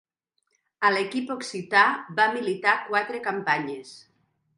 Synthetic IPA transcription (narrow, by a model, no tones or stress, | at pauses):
əlekipoksit̪aβamilit̪akwat̪ɾekampaɲes